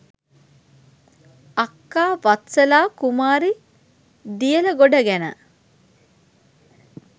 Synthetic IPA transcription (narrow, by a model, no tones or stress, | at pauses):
akːaːʋat̪səlaːkumaːɾi | d̪ijələɡoɖɐɡænə̰